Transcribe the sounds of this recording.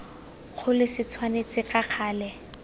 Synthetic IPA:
k͡xʰʊlɪsɪt͡sʰwanet͡sʼɪkʼaq͡χʰaːlɛ

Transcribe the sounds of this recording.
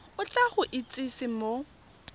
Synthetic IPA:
ʊt͡ɬʼaχʊʔɪt͡sʼisɪmo

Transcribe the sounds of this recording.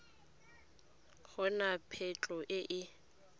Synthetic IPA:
k͡xʰɔnapʰɛt͡ɬʼɔʔɪʔɪ

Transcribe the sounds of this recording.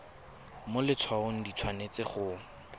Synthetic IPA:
molɪt͡sʰwaʊŋ̩dit͡sʰwanet͡sɪχʊ

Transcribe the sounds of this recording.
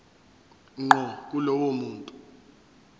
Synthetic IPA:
ŋ͡ǃɔk̬ʼulɔwomuːntʼu

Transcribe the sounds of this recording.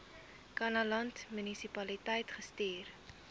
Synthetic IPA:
kɐnɐlɐntmynisipɐlitəjtχəstiːr

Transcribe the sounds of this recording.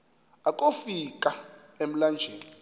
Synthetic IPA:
ak̬ʼofikʼa | em̩land͡ʒʱeːli

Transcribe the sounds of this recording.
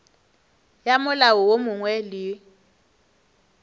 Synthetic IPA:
jamʊlawɔwomʊŋwɛlɪ

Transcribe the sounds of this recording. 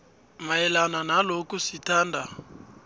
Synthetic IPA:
maɛlananalokusitaːndʱa

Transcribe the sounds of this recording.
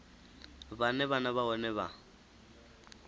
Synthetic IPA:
banɛβanaβaɔnɛβa̰

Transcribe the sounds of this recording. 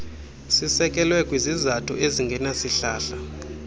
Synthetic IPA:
sisɛkʼɛlwɛkʼwizizatʰṵʔeziŋɡʱɛnasiɬa̰ːɬa

